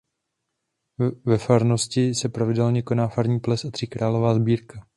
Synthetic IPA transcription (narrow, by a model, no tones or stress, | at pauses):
vɛfaɾno̞scɪsɛpɾavɪdɛlɲɛko̞naːfaɾɲiːplɛsat̪r̝̥ɪkɾʔaːlo̞vaːzbiːɾka